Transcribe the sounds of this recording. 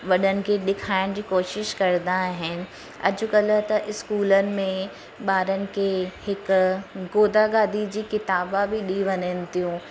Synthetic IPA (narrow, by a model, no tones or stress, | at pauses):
ʋɐɗənɪ̆keɗɪkʰaːɪɽ̃d͡ʑiːkoːʃɪʃkɐɾd̪aɦɪnɪ̆ | ɐ̰d͡ʑʊkɐlət̪ɐʔɪskuːlənɪ̆mẽ | ɓaːɾənɪ̆kehɪkɡoːd̪aɡaːd̪id͡ʑiːkɪt̪aːbabʱiɗiʋɐnənɪt̪ijũː